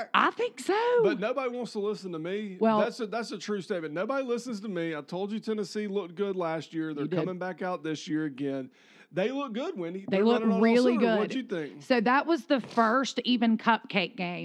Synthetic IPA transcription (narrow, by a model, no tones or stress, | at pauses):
ʔa̰ɪθɪ̃ŋksoʊb̥ʌtⁿnoʊbəɾiwɑ̃ntstʰəlɪsn̩təmiwɛlˠðætsɨðætsɨtʰɹ̥ʉsteɪɨ̃noʊbəɾilɪsn̩z̥tʰəmiaɪv̥tʰoʊlˠd͡ʒɨtʰɛnɨsilʊk̚ɡ̥ʊdˡlæst̚jɪɹðə˞kʰʌmɪ̃ŋbækaʊt̪̚ðɪsjɪɹɨɡɛ̃n | ðeɪlʊk̚ɡ̥ʊd̚wɪ̃niðeɪlʊnɹɪllˠiɡʊʌdt͡ʃɨθɪ̃ŋksoʊðəʔ̚wʌzðɨfɜ˞stivɨ̃nkʰʌp̚kʰeɪk̚ɡ̥ẽɪ̃